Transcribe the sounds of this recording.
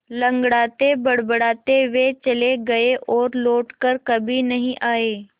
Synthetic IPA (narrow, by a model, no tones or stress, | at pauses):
lɐ̃ŋɡɽaːt̪ebɐɽbəɽaːt̪eʋet͡ʃɐleɡɐeʔɔːɾloːʈkəɾkɐbʱinɐɦĩʔaːeː